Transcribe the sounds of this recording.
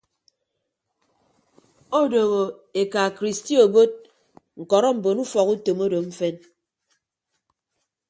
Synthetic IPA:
o˦do˨ɣo˨e˨ka˨kɾi˨sti˦o˨bo˦t̚ | ŋ̩˨kɔ˨ɾɔ˦m̩˨bo˨nu˦fɔ˨ku˦to˨mo˦do˨m̩˦fe˦n

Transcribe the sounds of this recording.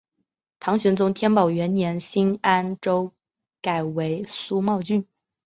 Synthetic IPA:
t̪ʰɑ˧˥ŋɕɥɛ˧˥nt͡sʊ˧˥ŋt̪ʰjɛ˥npɑ˨˩ʊɥɛ˧˥nnjɛ˧˥nɕi˥na˥nʈ͡ʂo˥ʊ | ka˨˩ɪwe˧˥ɪsu˥mɑ˥˧ʊt͡ɕy˥˩n

